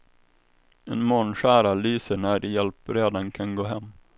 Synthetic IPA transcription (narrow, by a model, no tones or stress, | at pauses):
ɛnmoːnɕæːɾalyːsəɳæɾjɛlpɾeːd̪ankʰanɡoːɦɛmː